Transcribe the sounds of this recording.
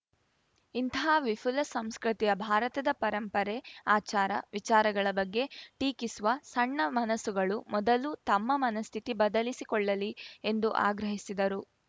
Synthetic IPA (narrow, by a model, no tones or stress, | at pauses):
int̪ɐɦaːʋipʰulɐsɐmskɾit̪ijɐbʱaːɾɐt̪ɐd̪ɐpɐɾɐmpɐɾɛaːt͡ʃaːɾɐ̰ʋit͡ʃaːɾɐɡɐɭɐbɐɡːe̞ʈiːkisuʋɐsɐɳːɐmɐnɐsuɡɐɭumɔd̪ɐlut̪ɐmːɐmɐnɐst̪ʰit̪ibɐd̪ɐlisikɔɭːɐliend̪uʔa̰ːɡɾɐɦisid̪ɐɾu